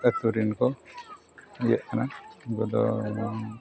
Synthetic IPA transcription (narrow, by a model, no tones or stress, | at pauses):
at̪uɾinkɔ | jɛʔkʰanaɡɔd̪ɔ